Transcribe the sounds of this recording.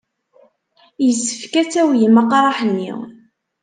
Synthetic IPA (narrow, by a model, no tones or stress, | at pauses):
jəsːə̥fkæt͡sːæwjəmːəqɾˤɑħənːḭw